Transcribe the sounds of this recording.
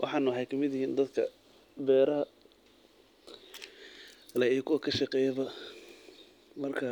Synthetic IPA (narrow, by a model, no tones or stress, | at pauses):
wʔɑ̰ħɑːnʊħɛjkʰɐmɪðjɪhiːnd̪ɐd̪kʰɐ̰ | bɛːɾɐɦɐ | lɐijkʰʊwɐkʰɐʃɑqɛːjɐβɐ | mɐrkʰɐ